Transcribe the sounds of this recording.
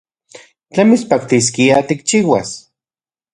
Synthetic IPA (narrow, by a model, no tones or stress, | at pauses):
t͡ɬemit͡spakt̪is̬kiat̪ik̚t͡ʃiːwa̰s